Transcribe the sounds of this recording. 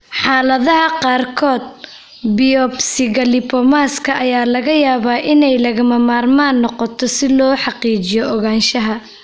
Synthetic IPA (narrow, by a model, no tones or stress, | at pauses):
ħɑːlɐðɐɦɐqɑːrkʰɔːd̪̚ | bɪjɔbsɪɣɐlɪpʰɔmaːskʰɐʔɐjaːlɐɣɐjaːβaːʔɪnɛjlɐɣɐmɐmaːrmaːnːɔqɔt̪ʰɔsɪlɔːħɑqiːt͡ʃɪjɔʔɔɣaːnʃɐɦɐ